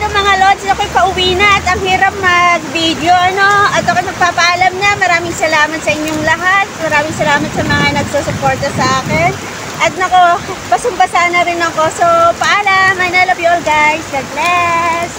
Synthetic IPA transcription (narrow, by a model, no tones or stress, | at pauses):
t̪oŋmɐŋalod̪sɐkojkɐʔʊwiːnɐʔɐt̪ɐŋhiːɾɐp̚nɐɡ̚vid̪o̞ʔɐno̞ʔɐt̪ːokojnɐɡ̚paːpɐʔaːlɐmɲɐmɐɾaːmɪŋsɐlaːmɐt̪sɐʔɪɲːoŋlɐɦat̪̚mɐɾaːmɪŋsɐlaːmɐt̪̚sɐmɐŋanɐɡ̚sosʊpo̞ɹt̪ɐsɐʔaːkɛn | ʔɐt̪̚nɐkɐpɐsʊmbɐsaːnɐɾɪnɐkosopɐʔaːlɐmɐjnɛlɐbjolɡajslɐt̪̚lɛs